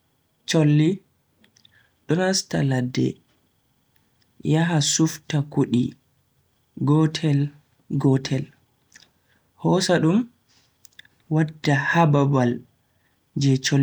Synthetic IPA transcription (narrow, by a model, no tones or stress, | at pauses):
t͡ʃolːi | ɗɔnastaladːɛ̰ | jaɦasuftakuɗi | ɡɔtʰɛl | ɡɔtʰɛl | hɔsaɗum | wadːahababal | d͡ʒɛt͡ʃol